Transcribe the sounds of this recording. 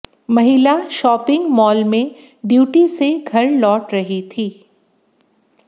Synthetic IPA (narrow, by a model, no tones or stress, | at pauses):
mɐɦɪlaʃɔːpɪ̃ŋɡmɔːlmẽ | ɖjuːʈiseɡʱɐɾlɔːʈɾɐɦit̪ʰiː